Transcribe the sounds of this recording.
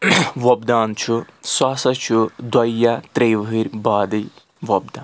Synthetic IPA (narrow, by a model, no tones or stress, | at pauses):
ʋɐbd̪aːnt͡ʃʰuswaːsɐt͡ʃʰud̪wɐjjːat̪ɾejʋiɾʲbaːd̪ɐj | ʋɐb̚d̪aː